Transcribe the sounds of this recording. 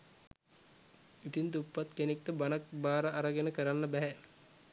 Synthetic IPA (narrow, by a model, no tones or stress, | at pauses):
it̪int̪upːat̪kenek̚ʈəbanak̚baːɾəʔaɾəɡenəkəɾanːəbæɦæ